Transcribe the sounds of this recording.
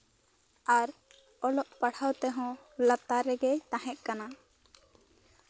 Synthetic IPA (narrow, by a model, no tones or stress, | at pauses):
aɾ | ɔlɔʔpaɽ̤awt̪ɛɦɔ̃lat̪aɾɛɡɛt̪ãɦɛʔ̪̚ˀkana